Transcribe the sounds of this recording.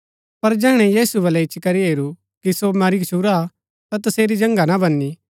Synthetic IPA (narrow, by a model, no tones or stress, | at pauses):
pɐɾd͡ʒɛːɽ̃ɛjiːsubɐlɛɪt͡ʃkɐɾiɦeːɾu | kisomaːɾikɐt͡ʃʰuːɾa | t̪at̪ɐseːɾid͡ʒɐ̃ŋɡanabɐnːi